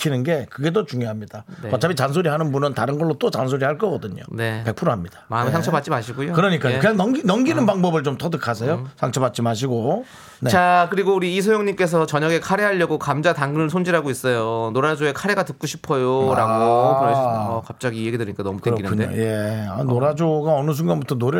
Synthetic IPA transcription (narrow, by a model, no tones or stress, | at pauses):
kʰinɯnɡe̞kɯɡe̞dot͡ɕuŋjoɦamɲidaekat͡ɕʰabit͡ɕans̬ʰoɾiɦanɯnbunɯntaɾɯnɡʌɭːot͈ot͡ɕans̬ʰoɾihaɭk͈ʌɡʌdɯɲo̰ne̞pe̞k̚pʰɯɾoɦamɲid̥ḁmamesʰaŋt͡ɕʰʌpat̚t͡ɕ͈imaɕʰiɡujokɯɾʌɲik͈aɲokɯɲaŋnʌŋɡinʌŋɡinɯnpaŋbʌbɯɭt͡ɕomt͈ʌdɯkʰas̬ʰejosʰaŋt͡ɕʰʌpat̚t͡ɕ͈imaɕ̬ʰiɡo | net͡ɕakɯɾiɡouɾiːs̬ʰojoŋɲimk͈e̞s̬ʰʌt͡ɕʌɲʌɡe̞kʰaɾeɦaʎːʌɡokamd͡ʑataŋɡɯnɯɭsʰond͡ʑiɾɦaɡois͈ʌjonoɾad͡ʑoekʰaɾeɡatɯk̚k͈uɕʰi̥pʰʌjoɾaɡokɯɾʌʌkap̚t͡ɕ͈ʌɡieɡidɯɾiɲikanʌmutkɯɾʌɡinkʰɯɲeo̰je̞a̰noɾad͡ʑoɡaʌnɯs̬ʰuŋɡanbutʰʌnoɾ